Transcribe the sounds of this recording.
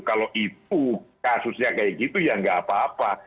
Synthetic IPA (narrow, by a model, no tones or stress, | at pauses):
kaloʔit̪̚ukasusɲakajikit̪ujaŋɡaapaːpa